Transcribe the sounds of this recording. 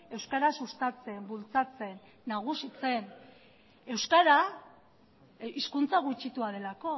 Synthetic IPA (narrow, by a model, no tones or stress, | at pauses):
e̞wskaɾasust̪at͡se̞mbult͡sat͡se̞nː | aɣ̞usit͡se̞n | e̞wskaɾa | iskunt͡saɣ̞ut͡ʃit̪uaðe̞lako̞